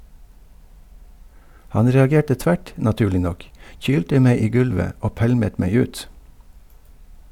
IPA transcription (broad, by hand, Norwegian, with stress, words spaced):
ˈhɑn ɾɛɑˈɡeːʈə ˈtʋæʈ nɑˈtʉːlɪ ˈnɔk ˈçyːltə ˈmeɪ ˈiː ˈɡʉlʋə ˈoː ˈpælmət ˈmeɪ ˈʉːt